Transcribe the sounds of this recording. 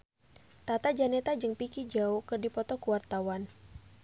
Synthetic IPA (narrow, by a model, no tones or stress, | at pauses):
t̪at̪ad͡ʒanɛt̪ad͡ʒɨŋpikid͡ʒaukɨrdipɔt̪ɔkuwart̪awan